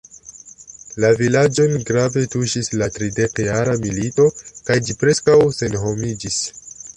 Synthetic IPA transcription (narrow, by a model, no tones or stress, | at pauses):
lavilad͡ʒo̞nɡɾave̞tuʃislatɾide̞kjaɾamilito̞kajd͡ʒipɾe̞skawse̞nɦo̞mid͡ʒis